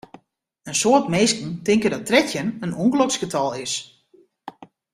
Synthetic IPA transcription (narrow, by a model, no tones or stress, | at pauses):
ənsoːətmeːskn̩tɪŋkədɔtrɛtjənənuŋɡloksɡ̥ətʰɑlˠɪs